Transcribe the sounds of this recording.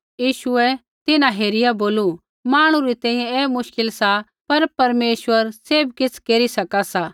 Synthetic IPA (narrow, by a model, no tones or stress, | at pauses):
jiːʃʊɛ | t̪ɪnãɦeːɾɪjaboːlu | maːɽ̃ũɾit̪ɛ̃ːĩjɛ̃eːmʊʃkɪlsa | pɐɾpɐɾmeːʃʋəɾseːbkɪt͡sʰkeːɾisɐkasaː